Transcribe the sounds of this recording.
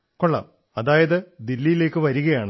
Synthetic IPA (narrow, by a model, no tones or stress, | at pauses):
koɭːa̰ːm | ɐðaːjɐðɨd̪ilːijile̞ːkːɨʋɐɾuɣɐjaːɳɨ